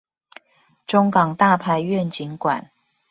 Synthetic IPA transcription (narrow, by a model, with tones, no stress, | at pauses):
ʈ͡ʂʊ˦˥ŋkɑ˨˩ŋt̪a˥˨pʰa˥˧ɪɥɛ˥˨nt͡ɕi˨˦nkwa̰˨˦n